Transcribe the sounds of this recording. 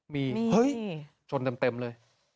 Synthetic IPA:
miː˧mː˧hɤ˦˥j | t͡ɕʰo˧nt̪e˧mt̪e˧mlɤː˧j

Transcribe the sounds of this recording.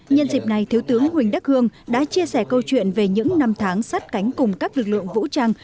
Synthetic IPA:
ɲə˧nzi˨˩p̚na˨˩jt̪ʰi˨˦wt̪ɨ˨˦əŋhwï˨˩ŋ̟ɗa˦˥k̚hɨ˧əŋɗa̰ː˧˥t͡ɕi˧əsɛ˧˩kə˧wt͡ɕwḭ˧˨ənve˨˩ɲɨ̰˧˥ŋna˧mt̪ʰaː˨˦ŋsa˦˥t̚ka˨˦jŋ̟kʊ˨˩ŋ͡mkaː˦˥k̚lɨ˨˩k̚lɨ̰˧˨əŋvṵ˧˥t͡ɕaː˧ŋ

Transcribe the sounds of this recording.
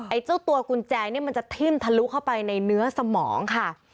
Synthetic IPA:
ʔa˧jt͡ɕa˥˩wt̪u˧ɐku˧nt͡ɕɛː˧ni˥˩ɐma˧nt͡ɕa˨˩t̪ʰi˥˩mt̪ʰa˧lu˦˥kʰa˥˩wpa˧jna˧jnɯ˦˥ɐsa˧mɔː˩˦ŋkʰa˥˩

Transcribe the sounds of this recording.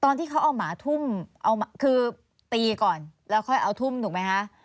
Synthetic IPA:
t̪ɔː˧nt̪ʰiː˥˩kʰa˦˥wʔa˧wmaː˩˦t̪ʰu˥˩mʔa˧wmaː˨˦kʰɯː˧ | t̪iː˧kɔː˨˩nlɛː˦˥wkʰɔ˥˩jʔa˧wt̪ʰu˥˩mt̪ʰuː˨˩kma˦˥jkʰa˦˥ʔ

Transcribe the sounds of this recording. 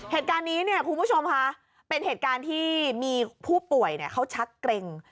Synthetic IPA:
heː˨˩t̪̚kaː˧nːiː˦˥ni˥˩ɐkʰu˧nbu˥˩t͡ɕʰo˧mkʰa˦˥ʔ | pe˧nheː˨˩t̪̚kaː˧nt̪ʰiː˥˩miː˧pʰuː˥˩pu˨˩əjni˨˩ɐkʰa˦˥wt͡ɕʰa˦˥kkɾe˧ŋ

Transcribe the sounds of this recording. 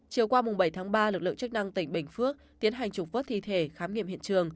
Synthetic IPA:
t͡ɕi˨˩əwkwaː˧mʊ˨˩ŋ͡mɓə˧˩jt̪ʰaː˨˦ŋɓaː˧lɨ˨˩k̚lɨ̰˧˨ŋt͡ɕɨ˦˥k̚na˧ŋt̪ï˧˩ŋ̟ɓï˨˧˩ŋ̟fɨ˦˥ək̚t̪i˨˦ənɦa˨˩jŋ̟t͡ɕʊ˨˩k͡p̚vəː˦˥t̚t̪ʰḭ˧˨t̪ʰe˧˩xaː˨˦mŋḭ˧˨mhḭ˧ənt͡ɕɨ˨˩əŋ

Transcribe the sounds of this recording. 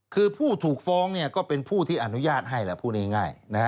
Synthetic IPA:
kʰɯː˧pʰuː˥˩t̪ʰuː˨˩k̚fɔː˦˥ŋni˥˩ɐkɔː˥˩pe˧npʰuː˥˩t̪ʰiː˥˩ʔa˧˩nu˦˥jaː˥˩t̪̚ɦa˥˩jlɛ˨˧˩pʰuː˥˩niː˦˥˩ŋa˥˩jna˦˥ha˦˥

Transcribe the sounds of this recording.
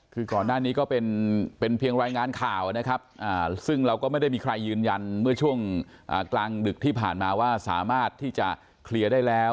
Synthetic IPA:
kʰɯː˧kɔː˨˩nːaː˥˩niː˦˥kɔː˥˩pe˧npe˧npʰi˧əŋɾaː˧jŋaː˧nkʰaː˨˩wna˦˥kʰa˦˥p̚ʔaː˨˩sɯ˥˩ŋɾa˧wkɔː˥˩ma˥˩jda˥˩jmiː˧kʰɾa˧jːɯː˧nja˧nmɯ˥˩ɐt͡ɕʰu˥˩əŋ | ʔaː˨˩klaː˧ŋdɯ˨˩k̚t̪ʰiː˥˩pʰaː˨˩nmaː˧waː˥˩sa̰ː˩˦maː˥˩t̪ʰːiː˥˩t͡ɕa˨˩ | kʰli˧ədaː˥˩jlɛː˦˥w

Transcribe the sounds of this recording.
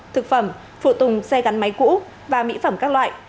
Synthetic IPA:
t̪ʰɨ˨˩k̚fə˧˩m | fṵ˧˨t̪ʊ˨˩ŋ͡msɛ˧ɣa˨˦nma˨˦jkṵ˧˥ | vaː˨˩mḭ˧˥fə˧˩mkaː˦˥k̚lwa̰ː˧˨jʔ

